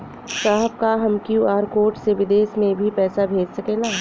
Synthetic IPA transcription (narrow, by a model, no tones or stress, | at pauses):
saːɦəb̚kaɦɐmkjuːaːɾkoːɾʈseʋɪd̪eːsmẽbʱipɛːsabʱeːd͡ʒsɐkẽːlaː